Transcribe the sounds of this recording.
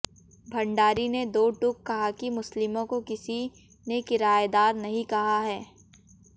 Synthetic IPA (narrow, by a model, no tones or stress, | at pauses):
bʱɐ̃ɳɖaːɾined̪oːʈʊkːɐɦakimʊslɪmõkokɪsi | nekɪɾaːed̪aːɾnɐɦĩkɐɦaɦɛː